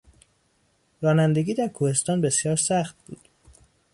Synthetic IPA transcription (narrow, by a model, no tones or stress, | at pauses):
ɾɒːnænd̪e̞ɡʲiːd̪æɾkʰuːhe̞st̪ɒːnbe̞sjɒːɾsæxt̪̚bṵːd̪̥